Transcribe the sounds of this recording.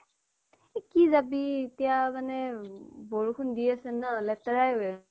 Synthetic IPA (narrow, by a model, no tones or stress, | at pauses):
kizabietijamanɛboɹukʰundiasɛnalɛtaɹajɦo